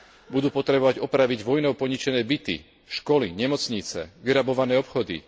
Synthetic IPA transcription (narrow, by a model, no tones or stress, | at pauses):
bud̪uːpɔt̪ɾɛbɔʋaɟɔpɾaʋiɟʋɔjnɔʊpɔɲit͡ʃɛnɛːbit̪ḭ | ʃkɔlḭɲɛmɔt͡sɲit͡sɛ̰ʋiɾabɔʋanɛːɔpxɔd̪ḭ